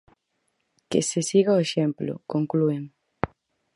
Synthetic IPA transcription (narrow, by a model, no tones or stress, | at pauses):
kḛsesiɣaoeʃemplʊ̰koŋklueŋ